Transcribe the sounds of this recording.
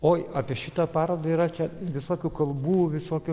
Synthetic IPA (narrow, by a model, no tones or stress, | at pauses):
oːɑːpʲiɛʃʲɪt̪ɑpɑːɾɐd̪ɐiːɾɐt͡ʃʲɛʋʲɪsoːkʲuːkɐlˠbuːʋʲɪsoːkʲʊ